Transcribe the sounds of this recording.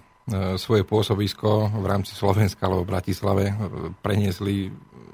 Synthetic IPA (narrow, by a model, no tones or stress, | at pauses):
sʋɔjɛpʊɔsɔbiskɔʋɾaːmt͡si̥slɔʋɛnskaalɛbɔbɾacislaʋɛpɾɛɲɪɛsli